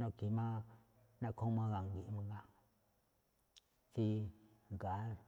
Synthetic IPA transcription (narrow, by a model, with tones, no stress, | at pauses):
nõ˧˨ki˨mã˦ | nã˦˧kʰõ˦mã˧ɣa˧˨ŋɡi˨ʔmã˧ŋɡa˦ | si˧ | ŋɡa˨˦